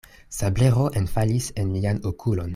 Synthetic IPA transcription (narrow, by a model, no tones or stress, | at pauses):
sableɾo̞ʔenfalisenlianokʰulo̞n